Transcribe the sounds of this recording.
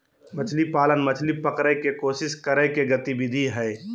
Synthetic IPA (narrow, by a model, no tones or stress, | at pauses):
mɐt͡ʃʰlipaːlənmɐt͡ʃʰlipəkɾəkekoːsɪskəɾəekeɡət̪ibɪd̪ʱiɦɛː